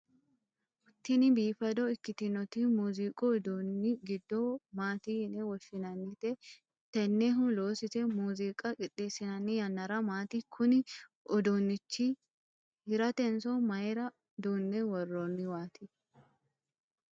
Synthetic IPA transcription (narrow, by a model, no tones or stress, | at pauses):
ʔʊt̪ːɪnɪbiːfɐd̪ɔɪkːɪt̪ɪnɔt̪imuːzikʼɔɔd̪onːɪɡɪd̪ːomaːt̪iːnɛwɔʃːɪnɐnːɪt̪ɛ | t̪ɛnːɛɦʊlo̞ːsɪsɛmuːzikʼɐkʼɪᶑːeːsːɪnɐnːɪjɐnːɐɾɐmaːt̪ikʰʊnɪ | ɔd̪onːɪt͡ʃːi | hɪɾɐt̪ɛnsɔmɐjɾɐ | d̪uːnːɛwɐrːoːnːɪwaːt̪ɪ